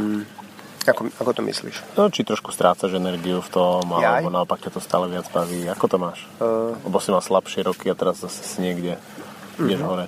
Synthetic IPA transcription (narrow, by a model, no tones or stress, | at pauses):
akɔakɔt̪ɔmḭslḭʃt͡ʃit̪ɾɔʃku̥st̪ɾʔaːt͡saʒɛnɛɾɡiuft̪ɔmalɛbɔnaɔpak̚cat̪ɔst̪a̰ːlɛʋɪad͡zbaʋiːakɔt̪ɔmaːʃlɛbɔsimalslapʃɪɛɾɔkiat̪ɛɾazːasɛ̥siɲɪɛɡɟɛ | ijɛʒɦɔɾɛ